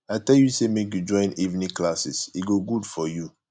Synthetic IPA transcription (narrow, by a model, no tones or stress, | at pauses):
aɪtɛljusemekjud͡ʒɔ̃ɪ̃nivnĩklasisiɡoɡudfɔju